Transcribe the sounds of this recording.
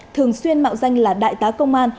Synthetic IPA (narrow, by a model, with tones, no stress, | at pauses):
t̪ʰɨ˨˩əŋswi˧ənma̰ː˧˨wza˧jŋ̟laː˨˩ɗa̰ː˧˨jt̪aː˨˦kə˧wŋ͡mʔaː˧n